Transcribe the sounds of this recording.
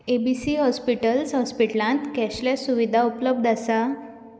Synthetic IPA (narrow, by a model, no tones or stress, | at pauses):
ebisiːɦɔspiʈəlsɦɔspiʈlãnt̪kɛɕljasuʋid̪ʱaupləb̚d̪asa